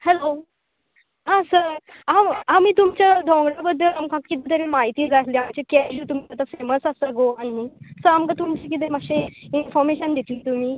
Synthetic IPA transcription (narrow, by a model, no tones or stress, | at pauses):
hɛlo | ɦãsəɾ | amamiːt̪umt͡ɕjad̪ʱɔ̃ŋɡɽabəd̪ːəlamkãkit̪it̪əɾemaɦit̪iːd͡zat̪lĩamt͡ɕekɛɕuːt̪um̤iat̪afeməsasaɡoanisəɾamkãt̪umt͡ɕek̬it̪emaɕẽinfɔɾmeɕənd̪et̪liːt̪um̤iː